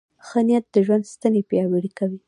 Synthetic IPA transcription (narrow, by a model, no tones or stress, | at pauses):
xanijat̪̚d̪əʒwand̪st̪anepjɑweɽikawi